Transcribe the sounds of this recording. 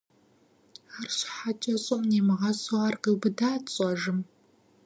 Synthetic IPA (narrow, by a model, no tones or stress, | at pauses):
arɕħat͡ʃʼɐɕʼɔmneːmɨʁɐsʼɐɐrqibɨdaːt͡sʼɐʒɨm